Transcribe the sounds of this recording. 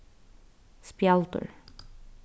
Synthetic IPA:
spjalt̪ə̰ɹ

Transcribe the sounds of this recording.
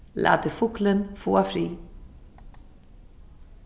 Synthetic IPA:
lʔa̰ːd̪əfʊklənfoːafɾiː

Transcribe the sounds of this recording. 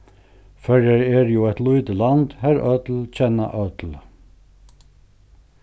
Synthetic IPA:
fɛɹɛɹɛɾjuːɛt̪luʏd̪əland̪hæɾœt̪lt͡ɕʰɛnːa̰ʔœt̪l

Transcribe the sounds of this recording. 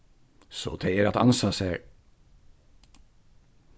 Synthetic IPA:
so̰ːt̪ʰeɪəɾɑt̪ɑ̰nsɑsæ

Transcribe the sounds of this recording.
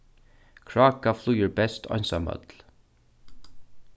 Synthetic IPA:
kʰɹɑːkaflujəɹbɛst̪ʰɔ̰nsa̰mœ̰t̪l

